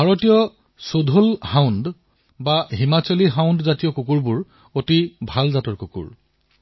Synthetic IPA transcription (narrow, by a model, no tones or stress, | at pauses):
bʱaɹotijɔ | sodʱolhawnd | baɦimat͡ɕɔliɦawndzatijɔkukuɹbʊɹ | otibʱalzatɔɹkukṵɹ